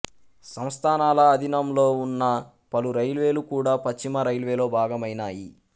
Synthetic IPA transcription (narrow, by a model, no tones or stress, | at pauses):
sɐmst̪ʰaːnaːlɐːd̪ʱinɐmloːunːɐ | pɐluɾɐjlʋe̞ːlukuːɽaːpɐst͡ʃːimɐɾɐjlʋe̞ːlo̞ːbʱaːɡɐmɐjnaːjḭ